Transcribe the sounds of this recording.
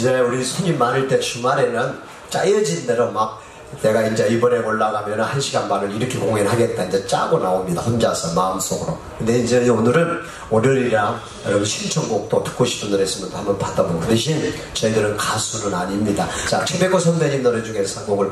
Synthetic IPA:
id͡ʑeuɾisʰoɲimmːanɯɭt͈e̞t͡ɕumaɾe̞nɯn | t͡ɕ͈ajʌd͡ʑinde̞ɾomak̚ | ne̞ɡaind͡ʑeibʌɾe̞oɭːaɣamjʌnahanɕʰiɡanmaɾɯɾiɾʌkʰe̞koŋenɦaɡe̞t̚t͈aind͡ʑet͡ɕ͈a̰ɡonaomɲidaɸʰond͡ʑasʰʌmaɯms͈oɡɯɾo | kɯndeind͡ʑeonɯɾɯn | onɯɾiɾa | ɾʌɡɕʰimt͡ɕʰʌŋɡok̚t͈otʰɯ̥k͈oɕʰi̥p͈ʰundɯɾes͈ɯmjʌnt͈ohambʌnpadaɡokɯdɯɕʰin | t͡ɕʌidɯɾɯnkasʰuɾɯnaɲimɲidat͡ɕat͡ɕʰebe̞ɡosʰʌndeɡinːʌɾɯd͡ʑuŋesʰʌŋɡoɡɯɭ

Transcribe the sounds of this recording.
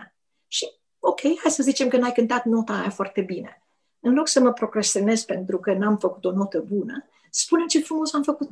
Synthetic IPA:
ʃi | o̞kʲʰe̞jhajsəzit͡ʃe̞mkənajkɨnt̪at̪no̞t̪ajafoart̪e̞bine̞ | ɨnlo̞ksəməpɾo̞ɡɾesione̞zpe̞nt̪ɾukənamfəku̥t̪o̞no̞t̪əbunə | spune̞mt͡ʃefɾumo̞samfəkut̪

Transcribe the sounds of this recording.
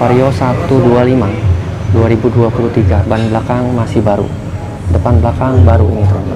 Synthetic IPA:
paɾiosat̪udualima | duaɾibuduapulut̪iɡabanbəlakaŋmasihbaɾṵ | dəpanblakaŋbaɾuɲit̪ə

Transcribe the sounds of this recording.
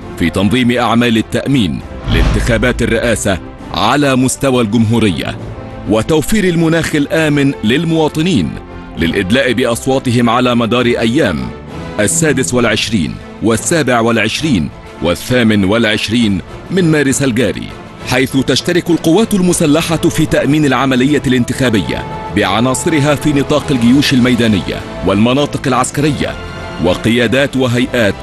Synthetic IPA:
fiːt̪ɑnðˤiːmɪʔaʕmaːlɪt̪ːaʔmiːn | lɪ̰nt̪ɪxaːbaːt̪arːɪʔaːsa | ʕa̰laːmʊst̪awaːlɡʊmɦuːɾɪjːa̰ | wɪt̪awfiːɾalmʊnaːxɪlʔaːmɪnlɪlmʊwɑːt̪ˤɨniːn | lɪlʔɪd̪laːʔbɪʔɑsˤwɑːt̪ˤɨɦɪmʕalaːmad̪ɑːɾˤɪʔajːaːm | ʔasːaːd̪ɪswalʕɪʃɾḭːn | wasːaːbɪʕwalʕɪʃɾiːn | waθːaːmɪnwalʕɪʃɾiːn | mɪnmaːɾɪsalɡaːɾḭː | ħajθʊt̪aʃt̪aɾɪkʊlqʊwːaːt̪ʊlmʊsalːaħafiːt̪aʔmiːnalʕamalɪjːalɪnt̪ɪxaːbɪjːa̰bɪʕɑnɑːsˤɨɾɪɦaːfiːnɨt̪ˤɑːqalɡɪjuːʃalmajd̪aːnɪ̰jːa̰ | walmɑnɑːt̪ˤɨqalʕaskaɾɪjːa̰ | waqɪjaːd̪aːt̪waɦajʔaːt̪

